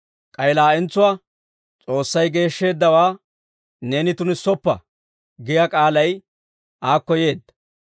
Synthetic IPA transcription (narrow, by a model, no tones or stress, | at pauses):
kʼɐjlaːɛnt͡sːʊwaː | t͡sʼo̞ːsːɐjɡe̞ːʃːe̞ːd̪ːɐwaː | neːnɪt̪ʊnɪsɔpːɐ̰ | ɡɪjɐkʼaːlɐj | ʔaːkːɔje̞ːd̪ːɐ̥